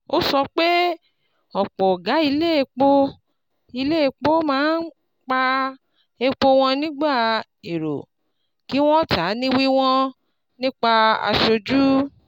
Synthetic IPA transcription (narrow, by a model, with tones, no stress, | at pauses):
o˦sɔ˧k͡pe˦ | ɔ˨k͡pɔ˨ɡa˨˦i˧le˦e˧k͡po˧ | i˧le˦e˧k͡po˦mãː˦n˦ | k͡pa˧ | e˧k͡po˧w̃ɔ̃˧nĩ˦ɡ͡ba˦˨ | e˨ɾo̰˨ | ki˨˦w̃ɔ̃˦ta˨˦nĩ˦wi˦w̃ɔ̃˦ | nĩ˦k͡pa˧a̰˧ʃo˧d͡ʒu˦